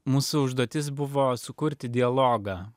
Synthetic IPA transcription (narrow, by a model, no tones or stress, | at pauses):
muːsʊʊʒd̪uɔt̪ʲɪs̬bʊʋoːsʊkʊɾʲt̪ʲɪd̪ʲɪɐlˠoːɡɑː